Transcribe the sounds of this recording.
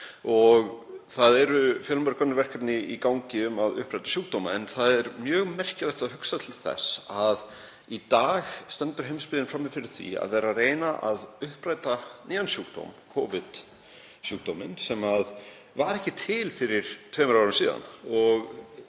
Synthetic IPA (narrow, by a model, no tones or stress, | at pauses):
ɔɣθaðɛɾʏfjœːlmpaɾkʰɔnːɪɾvɛr̥kʰapnɪikawɲcɪʏmaðʏ̰hpɾaːjt̪ḁsjuːk̚t̪owmaɛnθaðɛɾmjœːɣmɛr̥cɪlat̪aðɦʏksat̪ʰɪlθɛ̰sað | it̪aːɣst̪ɛnt̪ʏɾ̥ɦejmspɪðɪnfɾamːɪfɪɾɪɾ̥θḭa̰ðvɛːɾareːjnaʔaðʏhpɾaːjt̪aniːansjuːk̚t̪o̰wmkʰɔːvɪð̥ | sjuːk̚t̪owmɪnsɛmað | vaɾɛhcɪt̪ʰɪlfɪɾɪɾ̥t̪ʰvɛːmɾawɾʏmsiːða̰nɔɣ